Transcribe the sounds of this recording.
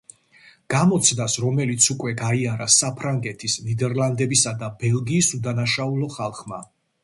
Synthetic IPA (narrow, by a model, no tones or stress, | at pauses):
ɡ̥amɔt̪sʰnasɾɔmɛlit̪sʰukʼwɛɡaiaɾasapʰɾaŋɡɛt̪ʰisnid̪ɛɾlˠand̪ɛbisad̪abɛlˠɡiːsud̪anaʃaulˠɔχalˠχma